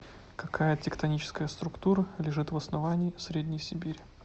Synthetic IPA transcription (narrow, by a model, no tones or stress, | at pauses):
kɐkʰajətʲɪkt̪ɐnʲit͡ɕɪ̥skəjəst̪ɾʊkt̪uɾəlʲɪʐɨt̪vəsnɐvanʲɪːsɾʲedʲnʲɪjsʲɪbʲiɾʲ